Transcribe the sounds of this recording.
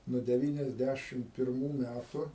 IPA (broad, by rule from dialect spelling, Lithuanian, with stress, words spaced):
nuɔ dʲɛˈʋʲiːnʲɛzʲˌdʲæʃʲɪm pʲɪrˈmuː ˈmʲætʊ